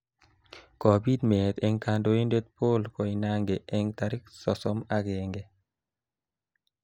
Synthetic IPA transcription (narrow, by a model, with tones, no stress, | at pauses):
kɔ˨bi˦d̪me˨t̪ɛ˦ŋka˧ndo˦i˦nde˦t̪̚po˦lkɔ˨i˨na˦ŋɡe˨ʔɛ˦ŋt̪a˨ɾɪ˦ksɔ˨sɔ˦ma˦ɡɛ˨ŋɡe˦